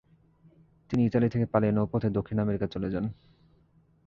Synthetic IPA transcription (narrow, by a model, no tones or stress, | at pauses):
t̪iniit̪alit̪ʰekepalenopot̪ʰed̪okʰːinameɾikat͡ɕoled͡ʑan